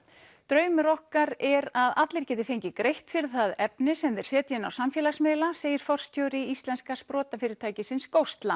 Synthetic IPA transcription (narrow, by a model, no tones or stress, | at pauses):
t̪ɾœːɥmʏɾɔhkaɾɛɾaðat̪lɪɾ̥cɛːt̪ɪfejɲcɪkɾejht̪fɪɾɪθaðɛpnɪsɛmðɛɾ̥sɛːt̪jɪna̰wsamfjɛːlasmɛːlaseːjɪɾ̥fɔr̥st̪ʰjowɾɪist̪lɛnskaspɾɔːt̪afɪːɾɪ̥t̪ʰaːjcɪsɪnskowst̪la